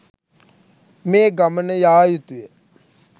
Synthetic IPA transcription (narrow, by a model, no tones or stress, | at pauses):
meːɡɐmənəjaːjut̪uje